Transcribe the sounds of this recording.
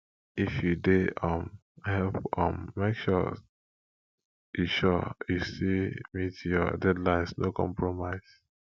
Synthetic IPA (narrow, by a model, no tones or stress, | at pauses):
ifjudeɔ̃m | hɛlpɔ̃mːekʃɔ̰ | juʃɔjusimitʰjɔ̰dɛdlãɪ̃nsnokʰɔ̰̃mpɹomaɪs